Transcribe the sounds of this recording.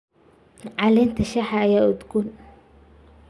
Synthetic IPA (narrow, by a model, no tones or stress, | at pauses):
ʕɑlɛːnt̪ʰɐʃɐħɐːjaːʊd̪ɡun